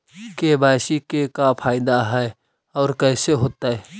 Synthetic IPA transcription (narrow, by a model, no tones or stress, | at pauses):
kebaːʃikekapʰaːɪd̪aɦɛ | ɔːɾkɛːseɦoːt̪aɦɛː